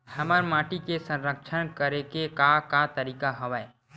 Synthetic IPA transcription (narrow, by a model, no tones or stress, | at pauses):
hɐmaːɾmaːʈikesə̃nɾəkʃʰənkəɾekekakat̪əɾiːkaɦɐʋae